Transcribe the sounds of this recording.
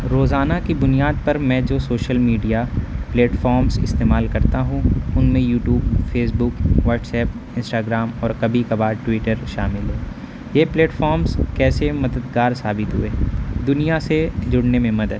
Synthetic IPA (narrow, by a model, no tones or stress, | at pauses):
ɾoːzaːnakibʊnijaːd̪̚pɐɾmɛ̃ːd͡ʒoːsoːʃəlmiːɖijapleːʈfɔːɾmzɪ̰st̪eːmaːlkɐɾt̪aɦũʊnmẽjuːʈjuːbfʰeːsbʊkʋɔːɾʈsɛːp̚ | ɪ̃nsʈaːɡɾaːmɔːɾkɐbʱikabaːd̪ʈwɪːʈəɾʃa̰ːmɪlɦɛː | jeːpleːʈfɔːɾmzkɛːsemɐd̪əd̪ɡaːɾsaːbɪt̪ɦʊeːd̪ʊnijased͡ʒʊɽnemẽmɐd̪əd̪̚